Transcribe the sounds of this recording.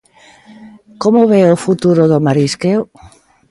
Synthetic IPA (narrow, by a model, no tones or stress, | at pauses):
komoβeofut̪uɾoðomaɾiskew